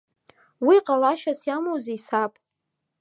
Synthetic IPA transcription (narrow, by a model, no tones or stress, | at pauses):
wiqʼalaʃasjamowziisapʼ